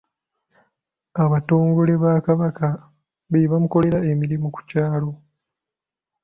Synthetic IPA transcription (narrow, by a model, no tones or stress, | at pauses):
aβato̞ːŋɡo̞le̞βaːkaβaka | βeβamuko̞le̞ɾae̞miɾimuku̥caːlo̞